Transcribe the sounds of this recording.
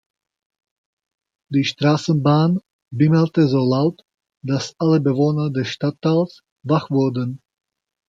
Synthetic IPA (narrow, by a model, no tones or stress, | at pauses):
d̥iːʃtʁ̥aːsn̩baːn | bɪməltəzoːlaʊt | d̥asʔaləbəvoːnɐdɛsʃtatʰːaːls | vaχv̥ʊɐdən